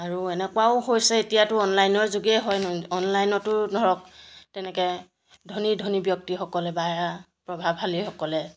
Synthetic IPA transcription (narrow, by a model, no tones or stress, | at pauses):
aɹuɛnɛkwaʊɦojsɛetijatʊɔnlajnɔɹzuɡiɛɦɔjnɔnlajnɔtʊɹdʱɔɹɔk̚tɛnɛkɛ | dʱonidʱonibjɔk̚tixɔkɔlɛbaɹa | pɹɔbʱabɦalixɔkɔlɛ